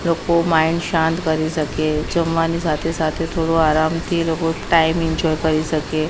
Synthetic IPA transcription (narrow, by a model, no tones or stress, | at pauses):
lokomaiɳɖɕãnt̪kəɾisəked͡ʑəmʋanisat̪ʰesat̪ʰet̪ʰoɽoaɾamt̪ʰiːlokoʈaimiɲd͡ʑɔjkəɾisəke